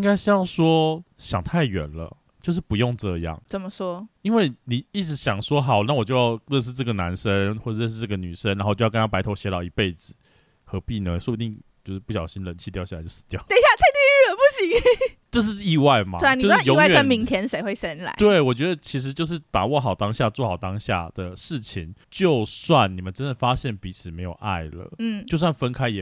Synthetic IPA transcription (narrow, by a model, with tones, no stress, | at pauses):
ŋɡa˥ɪʂy˥jɑ˥˩ʊʂwɔ˥ɕjɑ˨˩ŋt̪ʰa˥˩ɪɥɛ̰˨˩nlə̰˦ | t͡ɕjo˥˧ʊʂ̬ɻ̩˥˩pu˧˥jo˥˧ŋʈ͡ʂɤ˥˧jɑ̰˥˩ŋt͡sə˨˩mə˦ʂwɔ˥i˥nwe˥˩ɪni˨˩i˥˩ʈ͡ʂɻ̩˧˥ɕjɑ˨˩ŋʂwɔ˥xɑ˨˩ʊna˥˩˨wɔ˨˩t͡ɕjo˥˧ʊjɑ˥˧ʊɻə˥˧nʂ̬̩˥˧ʈ͡ʂɤ˥˩ɡə˩na˧˥nʂə˦˥nxwɔ˥˩˧ɻə˥˧nʂ̬̩˥˧ʈ͡ʂɤ˥˩ɡə˩ny˨˩ʂə˦nɻa˧˥o˥˧˩jo˥˧˥na˥˧pa˧˥ɪt̪ʰo˧˥ɕjɛ˧˥lɑ˨˩ʊi˧˥pe˥˩ɪd͡zɹ̩˨˩ | xɤ˧˦˥pi˥˩nɤ˧˥ŋswpu˧˩t̪i˥˩ŋt͡ɕjo˥˧ʊʂɻ̩˥˧pu˥˩ɕjɑ˨˩ʊɕi˥˦nlə˧˦nt͡ɕʰi˥t̪jɑ˥˧ʊɕa˥˨˩t͡ɕo˥˩sɹ̩̥˧˩t̪jɑ˥˨ʊt̪e˥˧ɕja˥˧t̪ʰa˥˧ɪt̪i˥˧y˥˩lə˨˩pu˥˩ɕi˨˦ŋʈ͡ʂɤ˥˧ʂ̬ɻ̩˥˧i˥˧wa˥˩ɪmɐ̰˨˥˧no˥ʊ˥jo˧˥wjɛ˨ə˥˩˥mi˧˥ŋt̪ʰjɛ˧˥nʂe˨ɪxwe˥˩ɪsə˥nla̰˧˥˦t̪we˥˩ɪwɔ˨˩t͡ɕɥɛ˧˥d̪ə˧t͡ɕʰi˧˥ʂ̬ɻ̩˧˥t͡ɕjo˥˧ʊʂɻ̩˥˩pa̰˨˩wɔ˥˩xɑ˨˩ʊt̪ɑ˥ŋɕja˥˧t͡swɔ˥˩xɑ˨˩ʊt̪ɑ˥ŋɕja̰˥˩d̪̥ə˩ʂɻ̩˥˩t͡ɕʰi˨˩ŋt͡ɕjo˥˧ʊswa˥˩nni˨˩mə˨˦nʈ͡ʂə˥nd̪ə˨˩fa˦˥ɕjɛ˥˩npi˧˥t͡sʰɹ̩˨˩me˧˥ɪjo˨˩ʊʔa̰˥˩ɪlə̰˩n̩˥˩t͡ɕt͡ɕjo˥˧ʊs̬wa˥˩nfə˥nkʰa˥ɪjɛ˨˩